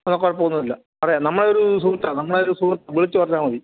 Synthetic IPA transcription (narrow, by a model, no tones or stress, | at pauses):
enːɐkːoːɽep̬ːoːɣunːɐilːɐ | ɐrɐjaːnɐmːɐɭeoɾusuːrt̪ːanɐmːɐɭeoɾusuːrt̪ːaʋiɭit͡ɕːɨpɐrɐt͡ɕːaːmɐði